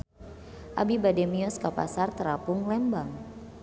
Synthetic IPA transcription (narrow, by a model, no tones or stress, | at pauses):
ʔa̰bibadɛmiɔskapa̰sart̪əɾapʊŋlɛmbaŋ